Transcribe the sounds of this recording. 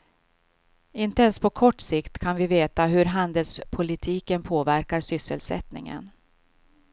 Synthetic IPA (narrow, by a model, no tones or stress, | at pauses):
ɪnt̪əɛnspʰɔkʰɔʈːsɪkt̪kʰanvɪveːt̪aɦɵɾɦand̪əlspʰʊlɪt̪ʰiːkənpʰoːvæɾkaɾsʏsːəlsɛ̰t̪nɪ̰ŋə̰n